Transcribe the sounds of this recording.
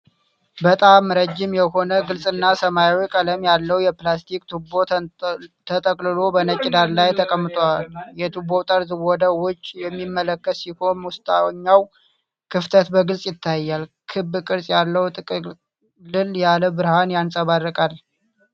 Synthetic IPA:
bət̪ʼamːɾəd͡ʒːɪmjɛho̞nəɡɨlsʼɨnːasəmajwjkʼələmjalːəwjɛplast̪ʰikʼt̪ʰubo̞ | t̪ʰət̪ʼəkʼlɨlo̞bənət͡ʃʼːɪd̪aɾlajt̪ʰəkʼəmːɨt̪ʼwaljɛt̪ʰubo̞t̪ʼəɾzɨwɔd̪əwʊt͡ʃʼːjɛmːimːələkːət̪siho̞mwʊst̪ʰʼaɲːaw | kʰɨft̪ʰət̪bəɡɨlsʼjɪt̪ʰːajːalkʰɨbːɨkʼɨɾsʼjalːəwt̪ʼɨkʼ | lɨljaləbɨɾhanjansʼəβarːəkʼal

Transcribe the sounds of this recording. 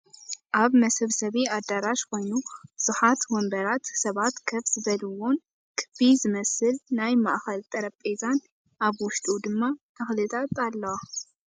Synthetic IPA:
ʔaβmɐsɐβsɐβiad̪ːaɾaʃkʰo̞jnub̥ɨz̥uħat̪wɔmbɐɾat̪sɐβat̪kʰɐβzɨβɐlɨwon | kʰɨ̥bizɨmɐsɨlnajmaʔxɐlt̪ʼɐɾɐpʼːezan | ʔaβwʊʃt̪ʼud̪ɨmːat̪ʰɐxlɨt̪ʼat̪alːɐwa

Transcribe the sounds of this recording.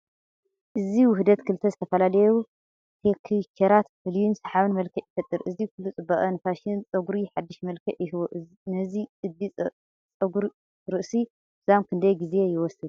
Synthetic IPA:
ʔɨziwʊhd̪ɐt̪kʰɨlt̪ʰɐzɨt̪ʰɐfɐlalɐju | t̪ʰekʰikʰeɾat̪fɨljunsɐħaβɨnmɐlkʰɐʔjifɐt̪ʼːɨɾʔɨzikʰulːut͡sʼɨbɐɣʼɐnɨfaʃɪnt͡sʼɐɡuɾiħad̪ːɨʃmɐlkʰɐʔjɪhɨwoʔ | nɐziɨd̪it͡sʼ | t͡sʼɐɡuɾ | ɾɨʔsi | zamkʰɨnd̪ɐjɡize̞jɪwɔsɨd̪

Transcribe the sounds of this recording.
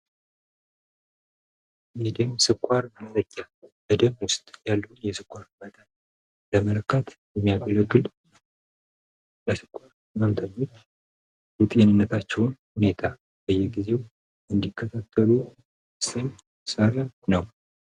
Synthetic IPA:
med̪əmsɨkʷʼːaɾməmt̪ʰʼəɲʼːa | bəd̪əmwʊst̪ʼjalːənjɛsɨkʷʼːaɾmət̪ʰən | ləmələkʰːat̪ | jɛmːijaɡələɡːɨl | ləsɨ̥kʷʼːaɾ | məmt̪ʰəɲːo̞t͡ʃː | wʊt̪ʼjenɨnːət̪ʰat͡ʃːɛwnhune̞t̪ʰa | b̥əjɛɡize̞w | ɨnd̪ikʰːət̪ʰat̪ʰːəlu | sɨn | səɾanəw

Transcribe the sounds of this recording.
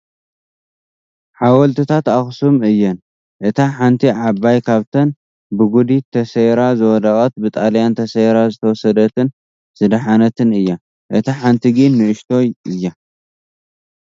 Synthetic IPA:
ħawɔlt̪ʰɨt̪ʰat̪axsumɨjːɐn | ʔɨt̪ʰaħant̪ʰiʕaβajkʰaβt̪ʰɐn | bɨɡud̪it̪ʰːɐseɾazɨwɔd̪akʼɐt̪̚bɨt̪ʼaljant̪ʰɐsejɾazɨt̪ʰɐwɔsɐd̪ɐt̪ʰɨn | sɨd̪aħanɐt̪ʰɨnɨjːa | ʔɨt̪ʰaħant̪ʰiɡinːɨʔɨʃt̪ʰo̞jʔɨjːa

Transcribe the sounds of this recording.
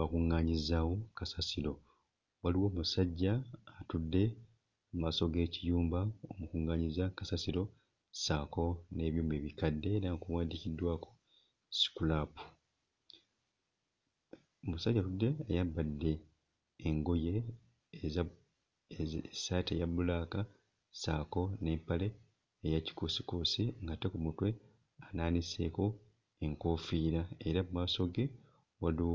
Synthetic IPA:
βakuŋːaːɲizaːwo̞kasasiɾo̞ | waliwo̞ːmusaɟːaːtudːe̞ | maso̞ɡe̞ːcijuːmbaomukuŋːaːɲizakasasiɾo̞ | saːko̞ne̞ːβjuːmbe̞ːβikadːe̞ːɾaŋkuwaːndicidːwaːko̥ | si̥kulapu̥ | musaɟaɾudːeːjabːadːe̞ː | ŋɡo̞je̞ | satejabulaːka | saːko̞ne̞ːmpale̞ː | jaci̥kosi̥kosiŋɡatekumutwe̞ | anaːnise̞̰ːko̞ | eŋkoːfiːɾae̞ɾamumaso̞ɡe | walu

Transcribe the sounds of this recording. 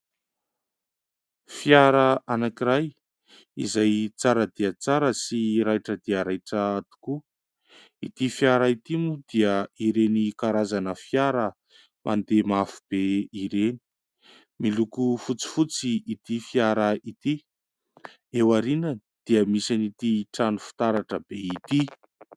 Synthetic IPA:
fjaɾəanakiɾaj | izajt͡saɾəd̪iat͡saɾəsiɾajʈ͡ʂəd̪iəɾajʈ͡ʂəat̪u̥ku | it̪ifjaɾəit̪imud̪iəiɾenikaɾazanəfjaɾə | mʔa̰nd̪emafu̥b̥eiɾeni̥ | milukufut͡si̥fut͡siːt̪ifjaɾəit̪i | ewaɾinə | d̪̥iəmisanit̪iʈ͡ʂanufi̥t̪aɾaʈ͡ʂəbeit̪i

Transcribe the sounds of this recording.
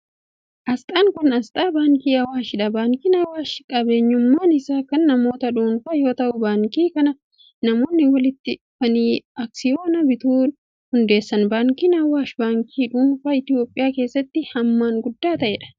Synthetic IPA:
ʔɐst̪ʼaːŋkʊnɐst̪ʼaːbaːŋkiːɐwaːʃɪᶑɐbaːŋkiːnɐwaːʃkʼɐbe̞ːɲːʊmːaːnɪsaːkɐnːɐmo̞ːt̪ɐᶑuːnfɐjo̞ːt̪ɐʔʊbaːŋkiːkɐnɐ | nɐmo̞ːnːɪwɐlɪt̪ːɪ | fɐniːɐksɪjoːnɐbɪt̪uː | hʊnd̪e̞ːsːɐnbaːŋkinɐwaːʃbaːŋkʰiːᶑuːnfɐːɪt̪ɪjo̞ːpʼːɪjaːke̞ːsːɐt̪ːɪhɐmːaːŋɡʊd̪ːaːt̪ɐʔɛːᶑɐ̥

